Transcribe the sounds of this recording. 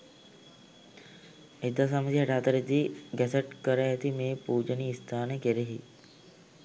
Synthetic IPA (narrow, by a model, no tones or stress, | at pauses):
ed̪asaməsiɦɛʈaːt̪əɾet̪iɡɛsɐʈkəɾəːt̪imeːpuːd͡ʒəniːst̪ʰaːnekeɾeɦi